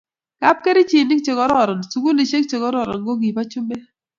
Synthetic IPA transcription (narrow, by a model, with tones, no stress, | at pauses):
ka˦p̚ke˦ɾi˦t͡ʃi˨nɪ˦kt͡ʃe˨kɔ˦ɾɔ˦˨ɾɔ˨n˨su˨˦ɡu˦ni˨t͡ʃe˦k̚t͡ʃe˨kɔ˦ɾɔ˦˨ɾɔ̰˨nɡo˦ɡi˨pa˦t͡ʃu˦me˦